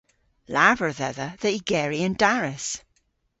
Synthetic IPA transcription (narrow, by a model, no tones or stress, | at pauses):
lavə˞ðɛðəðəʔiɡɛɹiə̃ndaɹɪs